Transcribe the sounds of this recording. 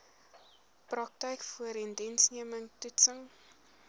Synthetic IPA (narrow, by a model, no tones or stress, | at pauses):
prɐk̚təjkfuəɾɛndɛnsniəməŋtutsəŋ